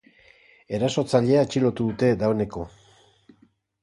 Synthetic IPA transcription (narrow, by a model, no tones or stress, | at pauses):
e̞ɾaso̞t͡saʎe̞aet͡ʃilo̞t̪uðut̪e̞d̪aoene̞ko̞